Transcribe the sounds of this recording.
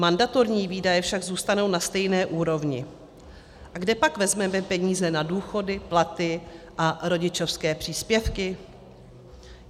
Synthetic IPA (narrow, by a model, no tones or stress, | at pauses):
mandat̪o̞ɾɲiːviːdajɛfʃaɡzuːst̪ano̞wnast̪ɛjnɛːʔuːɾo̞vɲɪ̰ | ʔaɡdɛpakvɛzmɛmɛpɛɲiːzɛnaduːxo̞dɪplat̪ɪʔaɾo̞ɟɪt͡ʃo̞fskɛːpr̝̥iːspjɛfkɪ